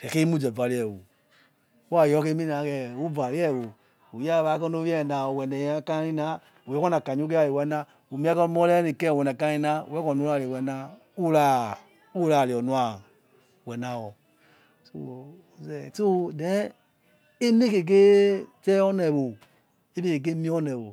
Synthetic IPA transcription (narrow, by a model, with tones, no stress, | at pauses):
tɛ˨ke˦mu˦d͡ʒɛ˨va˨li˦ɛ˨wo̰˨˦ | a˦˨jɔ˦ke˦mi˦na˨˦kɛ˦˨u˦va˨ɾi˦ɛ˦˨wo˨ | u˨ja˦˨βa˨˦kɔ˦no˦jɛ˦˨na˨ɔ˨wɛ˨nɛ˨jka˦i˦na˦ | u˨ɛ˦kɔ˦na˨ka˨ɲ˦u˦k̬e˦a˦˨li˨wɛ˨˦na˦ | u˨mi˦a˦kɔ˦m˦ɔ˦lɛ˦ni˨kɛ˦˨wɛ˨na˨ka˦i˦na˦ṵ˨˦ɛ˦kɔ˨n˦u˦a˨le˨wɛ˨na˦ | u˦la˦˨ | u˦la˨li˨ɔ˨nu˦a˨ | wɛ˨na˨wɔ˨ | so̰˦˨ | zɛ˨so˦dɛ˨˦ | i˦mi˦ke˨ɡ̬e˦tɛ˦ɔ˦nɛ˨βo˨ | i˦mi˦ke˨ɡe˦mi˦ɔ˦nɛ˨βo˨